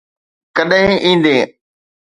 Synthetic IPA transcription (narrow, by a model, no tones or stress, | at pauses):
kəɗɦɪ̃ʔĩːn̆d̪eː